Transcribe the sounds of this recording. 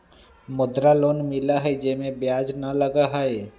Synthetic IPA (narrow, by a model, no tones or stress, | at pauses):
mʊd̪ɾaloːnmɪlaɦɛd͡ʒemẽbjaːd͡ʒnɐləɡaɦɛe